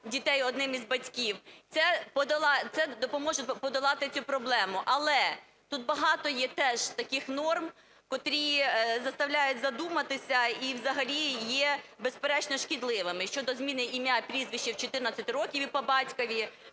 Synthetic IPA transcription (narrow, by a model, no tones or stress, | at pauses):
dʲit̪ɛjɔd̪nɪmizbɐtʲkʲiwt̪sɛpɔd̪ɐlˠɑt̪sɛd̪ɔpɔmɔʒʊpɔd̪ɐlˠɑt̪ɪt͡sʲupɾɔblˠɛmʊʔɐlˠɛ | t̪ut̪̚bɐɦɑt̪ɔjɛt̪ɛʒ̥t̪ɐkɪxnɔrm | kɔt̪ɾʲizɐst̪ɐwlʲajʊtʲzɐd̪umɐt̪ɪsʲɐiwzɐɦɐlʲijɛbespeɾɛt͡ʃnɔʃkʲid̪lˠɪʋɪmɪʃt͡ʃɔd̪ɔzmʲinɪimʲjapʲɾʲizʋʲiʃt͡ʃːiwt͡ʃɔt̪ɪrnɐt͡sʲːɐt̪ɪɾɔkʲiʋʲipɔbɑtʲkɔʋʲi